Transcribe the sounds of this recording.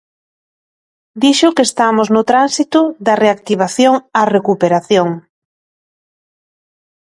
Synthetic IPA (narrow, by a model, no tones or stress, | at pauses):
d̪iʃʊkest̪amʊznʊt̪ɾansit̪ʊðɐreakt̪iβ̞aθjoŋarekupeɾaθjoŋ